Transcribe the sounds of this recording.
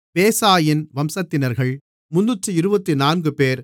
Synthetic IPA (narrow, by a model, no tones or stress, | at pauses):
peːsaːjɪnʋɐmsɐt̪ːɪnɐɾɣɐɭ | mʊnːɯtːɯɪɾɯbɐt̪ːinaːnɡɯpeːɾ